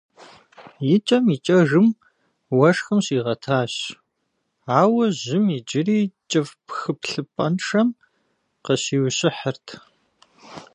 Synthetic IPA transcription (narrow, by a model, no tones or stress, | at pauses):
jɪt͡ʃʼɐmiːt͡ʃʼɐʐɨm | wɐʂxɨmɕiːʁɐtʰaːɕ | aːwɐʑɪmid͡ʒɪriːt͡ʃʼɐvpxɨpɬɨpʼɐnʂɐm | qəɕiːwɕʼɪħərtʰ